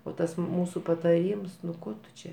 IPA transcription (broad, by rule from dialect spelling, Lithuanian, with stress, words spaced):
oː ˈtɐs ˈmuːsʊ pɐtɐˈrʲiːms nʊ ˈkoː tʊ ˈt͡ʃʲɛ